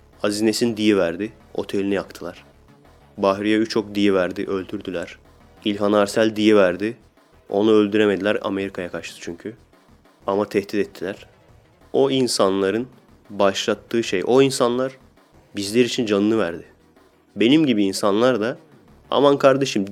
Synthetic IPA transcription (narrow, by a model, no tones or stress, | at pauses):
azine̞sind̪ijivæɾd̪ɪ | o̞̰t̪ʰe̞lʲinijakt̪ʰɯlˠaɾ̥ | baɦɾijayt͡ʃʰo̞k̚d̪ijivæɾd̪iʔø̞lʲd̪yɾd̪ylʲæɾ̥ | ilʲɦanaɾsælʲd̪ijivæɾd̪ɪ | o̞̰nuølʲd̪yɾe̞me̞d̪ilʲæɾa̰me̞ɾikʰajakʰaɾʃt̪ʰɯ̥t͡ʃʰyɲcʰy | amat̪ʰɛhd̪it̪ɛt̪ʰːilʲæɾ̥ | o̞insanlˠaɾɯn | baʃlˠat̪ʰːɯːʃejo̞insanlˠaɾ̥ | bizlʲeɾit͡ʃʰind͡ʒanɯːɯvæɾd̪ɪ | be̞nimɟibiːnsanlˠaɾd̪a | a̰mankʰaɾd̪e̞ʃɯm